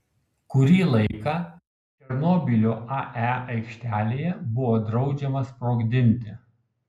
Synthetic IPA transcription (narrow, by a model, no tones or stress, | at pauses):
kʊɾʲiːlˠɐɪkɑː | t̪ʲɛɾnoːbʲilʲoʔɑʔæɐɪkʃʲt̪ʲæːlʲeːjɛbʊʋoːd̪ɾɒʊd͡ʒʲɛmɐspɾoːɡd̪ʲɪnʲt̪ʲɪ